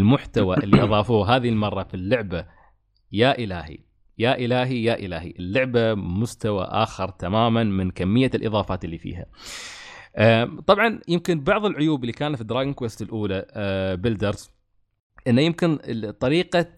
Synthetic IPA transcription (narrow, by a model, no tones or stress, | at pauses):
lmʊħt̪awaʔʔɪlːiʔɑðˤɑːfuːɦaːðɪilmɑrˤːɑfilːʊʕba | jaːʔɪlaːhḭ | jaːʔɪlaːɦijaːʔɪlaːhḭʔɪlːʊʕbamʊst̪awa̰ʔa̰ːxɪɾˤt̪amaːmanmɪnkamːɪjːalʔɨðˤɑːfaːt̪ɪlːiːfḭːɦa̰ | ʔat̪ˤɑbʕɑnjɪmkɪnbɑʕðˤɨlʕʊjuːbɪlːikaːnat̪fid̪ɾˤaːɡɪnkweːst̪ɪlʔuːlabɪld̪ɑɾˤs | ʔɪnːajɪmkɪnt̪ˤɑɾiːqa